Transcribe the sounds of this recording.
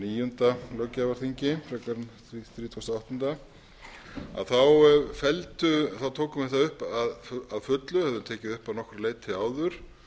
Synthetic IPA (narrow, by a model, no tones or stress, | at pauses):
niːjʏnt̪alœcːavaɾ̥θiɲcɪfɾɛkaɾnθθɾiːt̪ʰust̪aawht̪ʏnt̪a | a̰ðθawfɛlt̪ʏθawt̪ʰowkʏmθɛht̪ːaʏhpaðaðfʏt̪lʏhɛvðʏnt̪ʰɛːcɪðʏhpaðnɔhkʏɾleːjt̪ʰːɪlaːwðʏɾ̥